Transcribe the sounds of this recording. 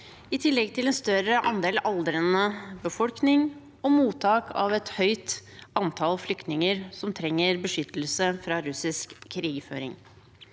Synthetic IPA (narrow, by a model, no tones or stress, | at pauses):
ɪt̪ʰɪlːɛɡt̪ʰɪlɛːnst̪œɾəʔɑnd̪eːlʔɑld̪əɾənəbəfɔlknɪŋ | ɔmuːt̪ʰɑːkʰɑ̰ʋɛt̪hœʏt̪ɑnt̪ʰɑlflʏkt̪nɪŋəɾsɔmt̪ʰɾɛŋːəɾbəʂʏt̪ːəlsəfɾɑːɾʉsɪskʰːɾiːɡfø̰ːɾɪ̰ŋ